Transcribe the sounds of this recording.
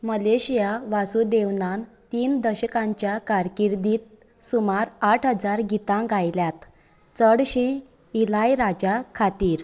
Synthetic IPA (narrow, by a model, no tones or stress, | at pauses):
məleɕijaʋasud̪eʋnan | t̪iːnd̪əɕəkãɲt͡ɕjakaɾkiɾd̪iːt̪̚ | sumaɾaʈʰɦəd͡zaɾɡit̪ãɡajljat̪ | t͡səɽɕẽ | ilajɾad͡ʑakʰat̪iːɾ